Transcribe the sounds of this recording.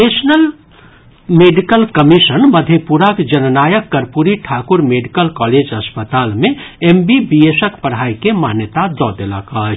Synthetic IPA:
eːʃnəl | meːɖikəlkəmiʃənməd̪ʱepuɾakd͡ʒənnaːjəkːəɾpuɾiʈʰaːkʊɾmeːɖɪkəlkɔːleːd͡ʒəspət̪aːlmẽeːmbibiesəkpəɾ̤aːikema̰ːnjət̪ad̪ɔːd̪ɪla̰ːkaː

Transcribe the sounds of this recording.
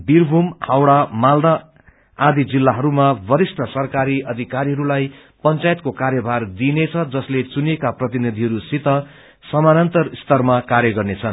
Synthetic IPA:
birbʱumhawɽamald̪aː | d̪ʱid͡zilːaɦʌɾumabʌɾisʈʰʌsʌrkaɾiʌd̪ʱikaɾiɦʌɾulaj | pʌnt͡sajet̪̚kokaɾjʌbʱard̪inet͡sʰʌd͡zʌslet͡sunekaprʌt̪̬inid̪ʱiɦʌɾusit̪ʌ | sʌmanʌnt̪ʌrst̪ʌrmakaɾjʌɡʌrnet͡sʰʌn

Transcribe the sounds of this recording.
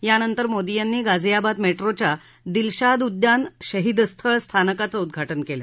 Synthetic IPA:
janənt̪əɾmod̪ijanːiːɡad͡zijabad̪meʈɾot͡ɕa | d̪ilɕad̪ud̪janɕəɦiːd̪əst̪ʰəɭst̪ʰanəkat͡səud̪ɡʱaʈənkelə

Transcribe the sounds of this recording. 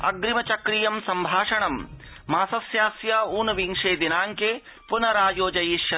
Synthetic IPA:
ɐ̰ɡɾimɐt͡ʃɐkɾijɐmsɐmbʱaːʂɐɳɐmː | aːsɐsjaːsjɐuːnɐʋiŋʂeːd̪inaːŋkeː | punɐɾaːjoːd͡ʒɐjiʃjɐ

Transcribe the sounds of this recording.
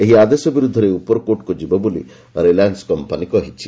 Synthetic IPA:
eɦiad̪esɔbiɾud̪ʱːɔɾeupɔɾɔkoʈkud͡ʒibɔbolḭ | ɾilanskɔmpanikɔɦit͡ʃʰi̥

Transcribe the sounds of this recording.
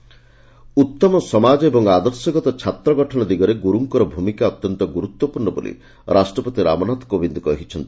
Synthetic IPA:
ut̪ːɔmɔsɔmad͡ʒɔebɔŋad̪ɔɾsɔɡɔt̪ɔt͡ʃʰat̪ɾɔɡɔʈʰɔɽ̃ɔd̪iɡɔɾeɡuɾuŋkɔɾɔbʱumikaɔt̪jɔnt̪ɔɡuɾut̪wɔpuɾɳɔbo̰lʔḭ | ɾʔasʈɾɔpɔt̪iɾa̰mɔnat̪kobind̪ɔkɔɦit͡ʃʰɔnt̪i̥

